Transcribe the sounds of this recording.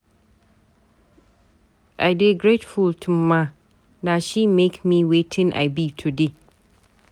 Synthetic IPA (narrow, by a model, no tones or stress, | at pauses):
ʔaɪdeɡɹetfʊltʰʊma | naʃimekmiwetʰɪ̃ŋʔa̰ɪbitʰude